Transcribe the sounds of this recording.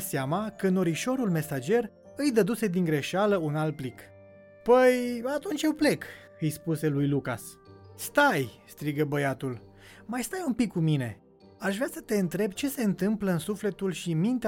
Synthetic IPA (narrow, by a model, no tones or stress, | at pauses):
seamakəɨno̞ɾiʃo̞ɾulme̞sad͡ʒe̞r | ɨjd̪əd̪use̞d̪iŋɡɾe̞ʃaləunal̚plik | pəjat̪unt͡ʃjewple̞k | ɨjspuse̞lujluka̰s | st̪ajst̪ɾiɡəbəjat̪ul | majst̪ajumpikːumine̞̰ | aʃvɾeasə̥t̪e̞ɨnt̪ɾe̞bt͡ʃe̞se̞ɨnt̪ɨmpləɨnsufle̞t̪ulʃimint̪e